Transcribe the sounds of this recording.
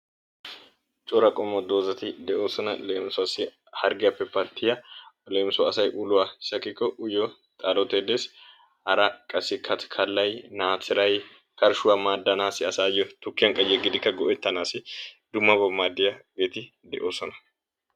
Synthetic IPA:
t͡ʃʼɔɾɐkʼɔmːɔd̪o̞ːzɐt̪ɪd̪ɛʔo̞ːsɔnɐleːmsʊɐsɪ | hɐɾɡɪjɐpːɛpːɐt̪ʰːɪjɐleːmsʊɐsɐjʔʊlʊwasɐkːɪkːɔʔʊjɔ | t̪ʼaːlɔt̪ːed̪eːs | hɐɾɐkʼɐsːɪkʰɐt̪kʰɐlːɐjnaːt͡sːɪɾɐj | kɐɾʃʊwamaːd̪ːɐnaːsɪɐsaːjɔt̪ʊkːɪjɐŋkʼɐjɛɡɪd̪ɪkːɐɡɔʔɛt̪ːɐnaːsɪd̪ʊmːɐbɔmːaːd̪ːɪjɐɡeːt̪ɪ | d̪ɛ̰ʔo̞ːsɔnɐ̥

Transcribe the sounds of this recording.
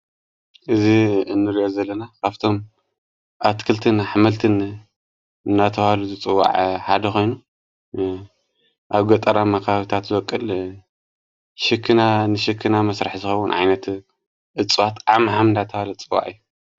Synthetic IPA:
ʔɨziɨnːɨɾiʔo̞zɐlːɐnakʰaft̪ʰo̞m | at̪kʰɨlt̪ʰɨnħmɐlt̪ʰɨn | ɨnːat̪ʰɐβhaluzɨt͡sʼɨwːa̰ʕħad̪ɐkʰo̞jnu | ʔaβɡɐt̪ʼɐɾamakʰaaβit̪ʰat̪zɨwɐkʼːɨl | ʃɨkʰːɨnanɨʃɪkʰːɨnamɐsɾaħzɨxɐwunʕa̰jnɐt̪ | ʔɨt͡sʼːɨwat̪ʔamħamɨndat̪ʰɐβalut͡sʼɨwːa̰ʕɨjːu

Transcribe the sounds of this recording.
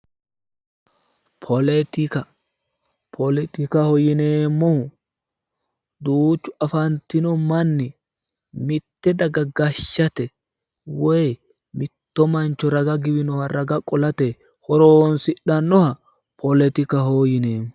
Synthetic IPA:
pʰɔlɛt̪ɪkɐ | pʰɔlɛt̪ɪkɐhɔjɪneːmːɔ | d̪uːt͡ʃːʊɐfɐnt̪ɪnɔmɐnːɪ | mɪt̪ːɛd̪ɐɡɐɡɐʃːɐt̪ɛ | wɛj | mɪt̪ːɔmɐnt͡ʃːɔɾɐɡɐɡɪbɪnɔhɐɾɐɡɐkʼɔlɐt̪e | hɔɾoːnsɪɗːɐnːɔhɐ | pʰɔlɛt̪ɪkɐɦoːjɪneːmː

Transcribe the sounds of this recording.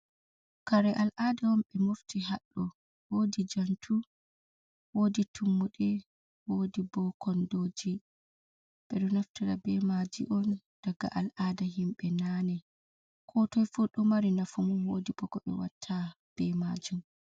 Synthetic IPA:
kaɾɛʔalʔadawɔmɓɛmoftiɦaɗːɔ | wodid͡ʒantʰu | woːditʰumːuɗɛ | wodibɔkʰɔndoːd͡ʒi | b̥ɛɗɔnaftiɾa̰bɛmad͡ʒḭʔɔn | d̥aɡa̰ʔalʔadaɦimɓɛnanɛ | kʰɔtɔjfuɗɔmaɾinafumuwodibɔkɔʔɛ̰watʰːa | b̥ɛmad͡ʒum

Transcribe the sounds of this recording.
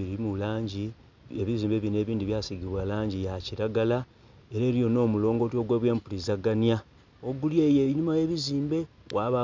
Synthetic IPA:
iɾimulaːɲɟi | eβiziːmbe̞ːβine̞ːβiːndiβjaːsiɡiβwalaːɲɟijaciɾaɡala | e̞ɾeːɾijo̞no̞ːmulo̞ːŋɡo̞tio̞ɡweːβwe̞ːmpuɾizaɡanija | oɡuljeːjeɲimaje̞ːβiziːmbe̞wʔaːβa

